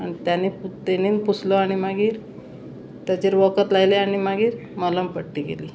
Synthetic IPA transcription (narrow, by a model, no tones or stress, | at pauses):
añit̪janit̪eniːnput͡sʰlɔaɽ̃imaɡiːɾ | t̪jat͡ɕeɾʋəkət̪lajleaɽ̃imaɡiːɾmələmpəʈːikḛliː